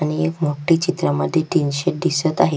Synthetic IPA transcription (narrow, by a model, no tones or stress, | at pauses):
aɽ̃iekmoʈiːt͡ɕit̪ɾəməd̪ʱːjeʈ̪inɕeʈ̚d̪isət̪aɦe